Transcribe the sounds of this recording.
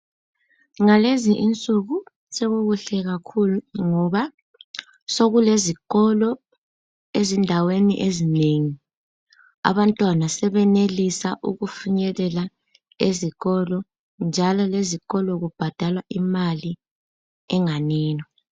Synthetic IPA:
ŋaleziʔint͡sʼuɣu | seɣuɣuɬɛɣakʰuluŋɔβa | soɣuleziɣ̥ɔlɔ | ezindʱawenḭʔezineŋi | a̰βantʼwanasɛβɛnelisaʔuɣufuɲɛlɛla | eziɣɔlɔ | nd͡ʒʱalɔleziɣɔlɔɣub̥ʱad̥ʱalwaʔimali | ɛŋanɛːnɔ

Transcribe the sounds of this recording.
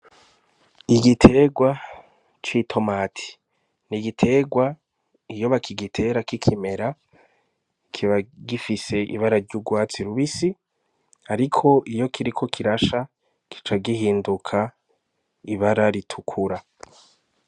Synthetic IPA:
iɡitʰe̞ːɡwa | t͡ʃitʰo̞maːtʰi̥ | niɡitʰe̞ːɡwa | ijo̞βakʰiɡitʰe̞ːɾakikʰime̞ɾa | kʰiβaɡifise̞ʔḭβaɾaɾɟuɡwaːt͡siɾuβisi | aɾikʰo̞ʔijo̞kʰiɾikʰo̞kʰiɾaʃa | ki̥t͡ʃaɡihiːndukʰa | iβaɾaɾitʰukʰuɾa

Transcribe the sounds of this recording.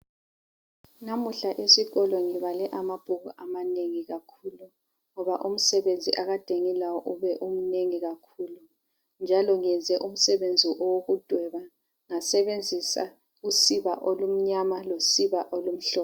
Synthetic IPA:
namuɬaʔesiɣɔlɔŋiβalɛʔamab̥ʱuɣuʔamaneŋiɣakʰuːlu | ŋɔβaʔum̩sɛβend͡zʱḭʔaɣad̥ʱeŋilawɔʔuβɛʔum̩neŋiɣakʰuːlu | nd͡ʒʱalɔŋɛnd͡zʱɛʔum̩sɛβend͡zʱiʔɔwoɣud̥ʱwɛβa | ŋasɛβend͡zʱisa̰ | usiβaʔolum̩ɲamalosiβaʔolum̩ɬɔɔ

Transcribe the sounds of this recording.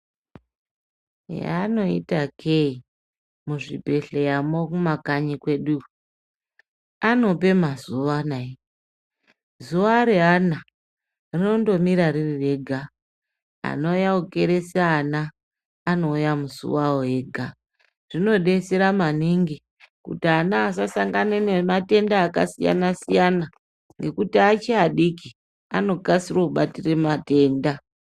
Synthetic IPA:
ja̰no̞ḭtakʰei | muʐḭbʱe̞ɬejamokumakaɲikwe̞ɗu | ano̞pe̞mazuʋanae | zuʋaɾeɦana | rino̞ndo̞miɾaririre̞ɡʱa | a̰no̞jauke̞ɾe̞seanaː | no̞jamusṵwaoɦeːɡʱa | ʐ̥ino̞ɗe̞seɾamaniŋɡi | kṵtianaːsasaŋɡanenemate̞ndaːka̰sija̰nasijana | ŋɡe̞kutiat͡ʃeaɗiki | ano̞ɡasirouɓatiremate̞ːnda

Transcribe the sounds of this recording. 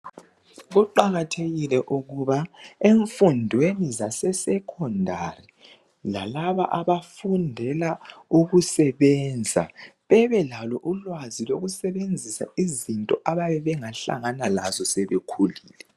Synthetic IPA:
ɣuǃaɣatʰeɣilɛʔuɣuβaeɱfundʱwenizasɛsɛkʰɔndʱari | la̰laβa̰ʔaβafundʱɛlauɣusɛβɛnd͡zʱa̰βɛβɛlalɔʔulwaziloɣusɛβend͡zʱisa̰izintʼɔʔaβaβɛβɛŋaɬa̰ŋanalazɔsɛβekʰuliːlɛ

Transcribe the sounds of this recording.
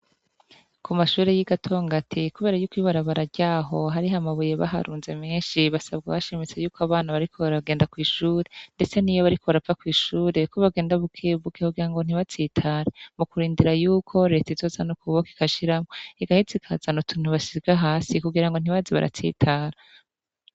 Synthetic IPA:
kʰumaʃuːɾe̞jiɡatʰo̞ːŋɡatʰikuβeːɾajuːkwiβaɾaβaɾaɾɟaːɦo̞ɦaɾiɦamaβuje̞βa̰ɦa̰ɾuːnze̞me̞ːnʃiβasabɡa̰βaʃemet͡se̞juːkoaβaːnaβaɾikʰo̞βaɾaɡe̞ːndakwiːʃuːɾe̞nde̞t͡se̞nijoβaɾikʰo̞βaɾafakwiːʃuːɾe̞kʰuβaɡe̞ːndaβukʰeβukekuɡiɾaŋɡo̞n̥iβat͡siːtʰaːɾemukuɾiːndiɾajuːkʰo̞ɾe̞tizo̞zanukuβoki̥kaʃiɾamoiɡahizikʰa̰zanotʰuːn̥huβaʃiɾɡaɦaːsikuɡiɾaŋɡon̥iβaziβa̰ɾʔa̰t͡sḭːtʰaːɾa

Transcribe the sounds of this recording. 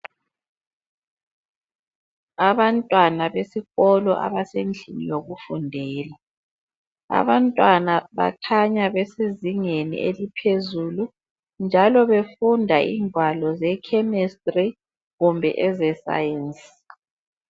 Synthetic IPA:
aβantʼwanaβesiɣɔlɔʔa̰βasend͡ɮʱinḭjoɣufundʱɛːla | a̰βantʼwanaβa̰kʰaɲaβɛseziŋenḭʔelipʰezulu | nd͡ʒʱalɔβefundʱaḭːŋʱwalɔzɛkʰɛmɛstʼri | ɣumbʱɛ̰ʔɛzɛsa̰jɛnsʼi̥

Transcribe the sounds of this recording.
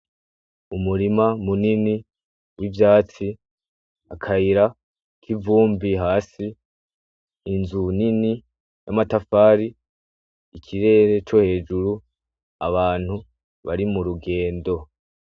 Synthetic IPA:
umuɾimamunini | wivjaːt͡si | akʰahiɾa | kʰivuːmbiɦaːsi | nzunini | jamatafaːɾiː | kʰiɾe̞ːɾe̞t͡ʃo̞he̞ːd͡ʒuɾu | a̰βaːn̥hu | βaɾimuɾuɡe̞ːndo̞

